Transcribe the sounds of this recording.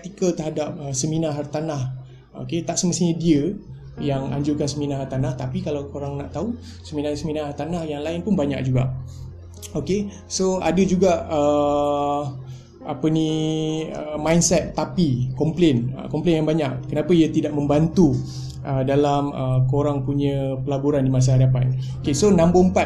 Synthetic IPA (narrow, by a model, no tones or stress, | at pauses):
ət̪ikət̪əɦadap̚əsəmĩnaɦart̪anah | o̰ket̪aʔsəməst̪iɲədiə | jaŋa̰ɲd͡ʒukansəminaɦart̪anaht̪apikalawkoɾaŋnaʔt̪au | səminasəminahart̪anahjaŋlaɪnpʊnbaɲa̰k̚d͡ʒuɡa̰ʔ | oke | soa̰dəd͡ʒuɡaʔə | apənĩ | əmãjnsɛt̪ːapikɔmplenə̰kɔmplenjaŋbaɲaʔkənapaiat̪idaʔ̚mə̃mbant̪u | ʔədalaməkoɾaŋpuɲəpəlabuɾandimas̬aɦadapanokesonãmbəəmpat̪